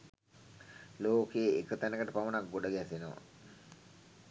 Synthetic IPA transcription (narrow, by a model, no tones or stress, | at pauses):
loːkejekət̪ænəkəʈəpaʋənak̚ɡoɖəɡɛsenəʋa̰